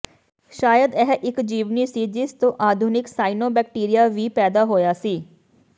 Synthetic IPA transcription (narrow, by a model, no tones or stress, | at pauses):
ʃaːjəd̪ɛːɦʔɪkd͡ʒiːʋniːsiːd͡ʒɪst̪õːʔaːd̪ʱʊnɪksaːinoːbɛːk̚ʈiːɾɪjaːʋiːpɛːd̪aːɦoːjaːsiː